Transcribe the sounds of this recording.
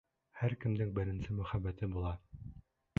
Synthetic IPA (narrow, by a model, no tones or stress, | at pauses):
hæɾkɘ̆md̪ɘŋbɘ̆ɾɘ̆nsɘmɵ̆χæbːæt̪ɘbulˠɑ